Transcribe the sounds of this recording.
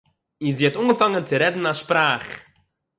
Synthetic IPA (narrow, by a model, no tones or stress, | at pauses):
inziːhatunɡəfaŋənt͡sɪɾɛdn̩aʃpɾaːχ